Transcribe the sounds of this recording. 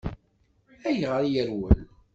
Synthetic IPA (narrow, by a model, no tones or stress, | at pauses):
æjəʁɾijəɾwə̰l